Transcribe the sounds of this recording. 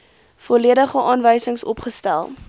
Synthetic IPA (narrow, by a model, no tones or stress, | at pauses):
fɔliədəχəʔɑːnvəjsəŋsɔ̰pχəstælˠ